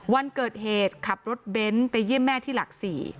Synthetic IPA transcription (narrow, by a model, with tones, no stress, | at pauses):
wa˧nkɤː˨˩t̪̚heː˨˩t̪̚kʰa˨˩p̚ɾo˦˥t̪̚be˦˥npa˧jːi˦˥˩əmːɛː˥˩t̪ʰiː˥˩la˨˩k̚siː˨˩